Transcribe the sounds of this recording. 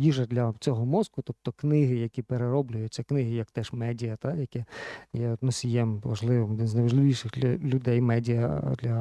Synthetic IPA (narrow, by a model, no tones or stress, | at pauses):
jiʐɐd̪ʲlʲɐt͡sʲɔɦɔmɔzkʊt̪ɔp̚t̪ɔknɪɦɪjɐkʲipeɾeɾɔblʲʊjʊt͡sʲːɐknɪɦɪjɐkt̪ɛʃmɛdʲijɐt̪ajɐkɛjɛt̪nɔsʲijɛmʋɐʒlˠɪʋɪmɔd̪ɪnznɐjʋɐʒlˠɪʋʲiʃɪxʲlʲʊd̪ɛjmɛdʲijɐd̪lʲɐ